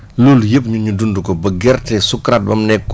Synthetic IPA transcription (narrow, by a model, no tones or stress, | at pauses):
luljəp̬ɲuɲudundukɔbɐɡɛrtɛsukɾat̚bɐmnɛkː